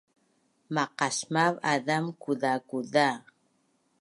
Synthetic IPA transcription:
maqasmavaðamkuðakuða

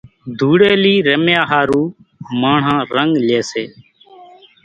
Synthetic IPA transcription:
d̪ʱuːɽeːliːɾəmjaːɦaːɾuːmãːɳ̤ãːɾəŋɡleːseː

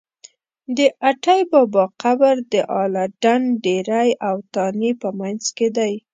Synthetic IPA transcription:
d̪əʔaʈajbɑbɑqabaɾd̪əʔɑlɑɖanɖeɾajawt̪ɑnipəmanzked̪aj

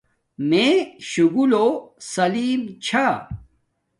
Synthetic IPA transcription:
mẽɕuɡulosɐliːmt͡ɕʰa

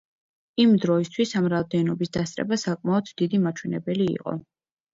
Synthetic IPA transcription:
imd̪ɾɔist̪ʰwisamɾavd̪ɛnɔbisd̪ast̪sʼɾɛ̰basakʼmaɔd̪d̪id̪imat͡ʃʰwɛnɛbɛlḭːqʼɔ̰

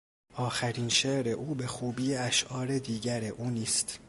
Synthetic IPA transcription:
ʔɒːxæɾiːnʃeːʔɾe̞ʔuːbe̞xuːbiːeæʃʔɒːɾe̞d̪iːɟæɾe̞ʔuːniːst̪

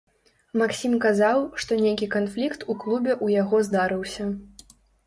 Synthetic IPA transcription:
maksʲimkazawʂt̪ɔnʲejkʲikanflʲikt̪uklˠubʲɛʔujaɣɔzd̪aɾɨwsʲɐ

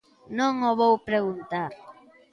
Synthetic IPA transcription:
nõŋoβowpɾeɣunt̪aɾ

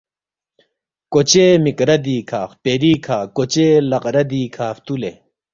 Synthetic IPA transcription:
kot͡ɕemikɾɐd̪iːkʰaːxpeːɾiːkʰaːkot͡ɕeːlɐqɾɐd̪iːkʰaːft̪ule

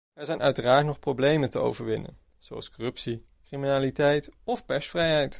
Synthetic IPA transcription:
ʋɛɹzɛjnʔœɥtəraːɹtnɔχprowblejməntəo̰wvəɹʋɪ̰nə̰n | z̥owɑ̰lˠskɔrɵpsi | kriminaːlitɛjtɔfpɛɹsfrɛjɦɛjt

